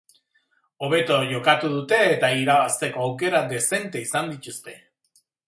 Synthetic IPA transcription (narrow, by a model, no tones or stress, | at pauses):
o̞βe̞t̪oʝo̞kat̪uðut̪e̞ːt̪aiɾaβast̪e̞ko̞awke̞ɾad̪e̞se̞nt̪e̞isand̪it̪ust̪e̞